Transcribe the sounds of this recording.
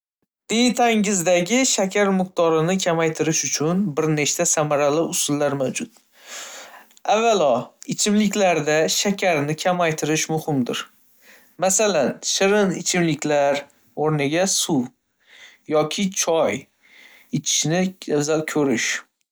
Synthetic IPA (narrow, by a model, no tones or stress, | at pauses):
d̪̥ejt̪ʰaŋɪzd̪aɡʲɪʃakʲʰaɾmɪq̚t̪ʰɒɾɪnɪkʲʰamajt̪ʰɪɾɪʃʊt͡ʃʰʊnbɪɾne̞t͡ʃt̪asamaɾalɪʊsʊlːaɾmawd͡ʒʊt̪̚ | avːalɒɪt͡ʃʰɪmlɪkʲlaɾd̪aʃakʲʰaɾnɪkʲʰamajt̪ʰɪɾɪʃmʊhɪmd̪ɪɾ | masalanʃɪɾɪnɪt͡ʃʰɪmlɪkʲlaɾ | oɾnɪɡʲasu | jɒkʲʰɪt͡ʃʰɒj | et͡ʃʰɪ̥ʃnɪazalkʲʰɵɾɪʃ